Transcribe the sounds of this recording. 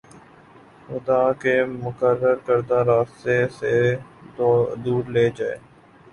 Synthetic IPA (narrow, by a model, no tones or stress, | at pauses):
xʊd̪aːkemʊkəɾːəɾkəɾd̪aɾaːst̪ese | d̪uːɾleːd͡ʒaːḛː